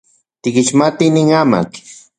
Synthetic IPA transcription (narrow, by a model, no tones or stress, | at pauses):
t̪ɪkit͡ʃmat̪iniŋama̰k